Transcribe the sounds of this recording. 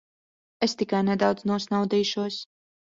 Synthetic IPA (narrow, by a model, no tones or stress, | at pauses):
est̪ikajnɛd̪awd̪znuɔsnawd̪iːʃuɔs